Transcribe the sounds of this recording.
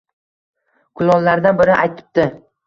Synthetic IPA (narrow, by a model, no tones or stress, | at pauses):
kʰʊlˠɒlːaɾd̪anbɪɾɪʔajt̪ʰɪ̥p̚t̪ɪ